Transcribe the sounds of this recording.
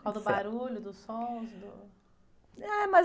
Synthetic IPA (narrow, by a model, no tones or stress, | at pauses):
kawd̪ʊbaɾuʎʊd̪ʊsõsd̪ʊ | ɛmɐ